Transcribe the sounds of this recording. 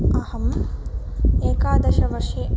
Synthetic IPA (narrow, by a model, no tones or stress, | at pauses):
ɐhɐm | eːkaːd̪ɐʃɐʋɐʃiː